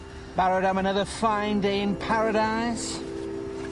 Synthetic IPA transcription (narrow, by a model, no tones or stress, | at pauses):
b̥aɹəɾãmənʌðəfãɪ̃ndeɪɪ̃npʰaɹəɾaɪz̥